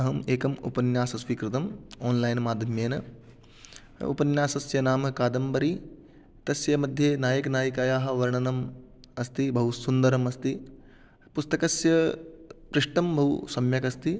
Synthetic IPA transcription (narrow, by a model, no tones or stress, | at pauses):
ɐɦɐmeːkɐmṵpɐnjaːsɐsʋiːkɾɪt̪ɐmoːnlaːjnmaːd̪ʱjɐmjeːnɐ | ṵpɐnjaːsɐsjɐnaːmɐkaːd̪ɐmbɐɾi | t̪ɐsjɐmɐd̪ʱjɐnaːjɐknaːjɐkaːjaːɦɐ̆ʋɐɾɳɐnɐm | ɐst̪ibʱɐɦusund̪ɐɾɐmɐst̪i | pʊst̪ɐkɐsjɐ | pɾɪʂʈɐmbʱɐɦusɐmjɐkɐst̪i